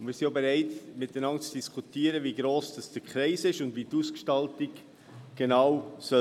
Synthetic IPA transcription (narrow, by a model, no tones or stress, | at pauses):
mɪːsɪnjobeɾɛɪtmɪt̚dənɑŋt͡sd̥iskʰutiːəɾəviɡɾoːsd̥ɑsd̥əkʰɾɛɪsɪʃʊndviːtuːskʃtɑltɪɡ | ɡ̥enawsœ